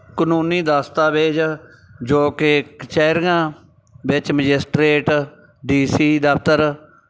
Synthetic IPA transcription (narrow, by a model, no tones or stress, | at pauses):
kənuːniːd̪aːst̪aːʋeːd͡ʒ | d͡ʒoːkekt͡ʃɛːɾɡãː | bɪt͡ʃməd͡ʒɪsʈɾeːʈ | ɖiːsiːd̪əpt̪əɾ